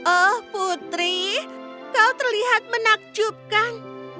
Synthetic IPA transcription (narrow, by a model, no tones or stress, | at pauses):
ʔɔhput̪ɾi | kawt̪raliɦat̪̚mənak̚d͡ʒup̚kaŋ